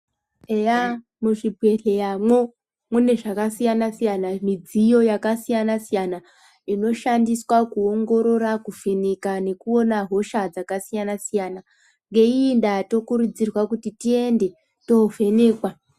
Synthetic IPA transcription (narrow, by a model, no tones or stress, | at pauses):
eja | muʐibʱwe̞ɬejamwo̞ | mune̞ʐakasijanasijanamid͡zijo̞jakasijanasijana | ino̞ʃandiswakuoŋɡo̞ɾo̞ɾakufenekane̞kuo̞naɦo̞ʃad͡zakasijanasijaːna | ŋɡe̞indato̞kuɾud͡zirwakutitie̞nde̞ | to̞fe̞ne̞ːkwa